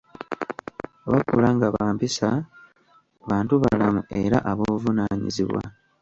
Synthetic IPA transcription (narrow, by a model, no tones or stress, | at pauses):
oβakulaŋɡaβaːmpisa | βaːntuβalamue̞ɾaʔaβo̞ːvunaːɲḭziβwa̰